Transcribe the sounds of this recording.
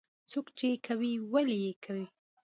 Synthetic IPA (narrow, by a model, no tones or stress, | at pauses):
t͡sokt͡ʃeekʰawiwalijekʰawi